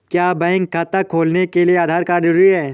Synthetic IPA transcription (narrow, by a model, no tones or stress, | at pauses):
kjaːbɛ̃ːŋkʰːaːt̪akʰoːlnekelieaːd̪ʱaːɾkaːɾd͡ʒɪɾiɦɛː